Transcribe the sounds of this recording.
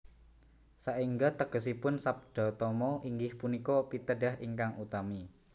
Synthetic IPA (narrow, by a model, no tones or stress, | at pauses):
saʔiŋɡat̪əɡ̥əs̬ipʊnsap̚d̪̥ɔ̤t̪ɔmɔʔiŋɡɪhpunikɔpit̪əɖa̤ɦḭŋkaŋut̪ami